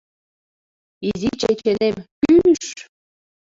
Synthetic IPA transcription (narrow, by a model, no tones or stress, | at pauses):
izit͡ɕet͡ɕenemkynyʃ